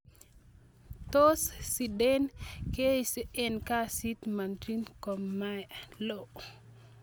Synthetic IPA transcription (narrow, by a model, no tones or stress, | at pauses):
tossidenkesiɛnkasit̪mantɾinkɔmːalo